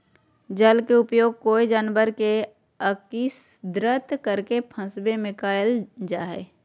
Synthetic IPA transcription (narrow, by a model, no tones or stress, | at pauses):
d͡ʒəlkeʊpjoːɡ̚koːid͡ʒaːnbəɾke | əkis | d̪ɾət̪kəɾkepʰə̃sbemɪkaːjəld͡ʒaːɦɛ̰ː